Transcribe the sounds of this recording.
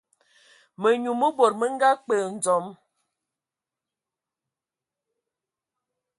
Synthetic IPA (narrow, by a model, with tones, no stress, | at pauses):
mə˨ɲu˨mə˦bo˨ɾ̚mə˦ŋ˦ɡa˦k͡pə˨n̩˨d͡zɔ˨˦m